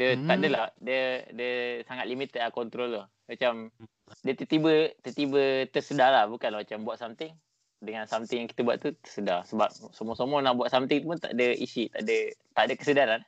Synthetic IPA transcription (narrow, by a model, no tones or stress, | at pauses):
dət̪aʔdəladiədəsaŋat̪̚limit̪akɔnt̪ɾolo | mat͡ʃam | diət̪ət̪ibət̪ət̪ibət̪əsədalahbukanlamat͡ʃambuaʔ̪̚samt̪ɪŋ | dəŋansamt̪ɪŋjaŋkit̪əbua̰ʔt̪ut̪ə̥sədasəbap̚somɔsomɔnahbuaʔ̪samt̪ɪŋt̪upunt̪a̰ʔdəisit̪a̰ʔdət̪aʔdəkəsədaɾan